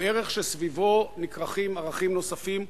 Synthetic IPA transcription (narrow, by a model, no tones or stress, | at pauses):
eʁeχʃesvivo̞nikʁaχimaʁaχimno̞safim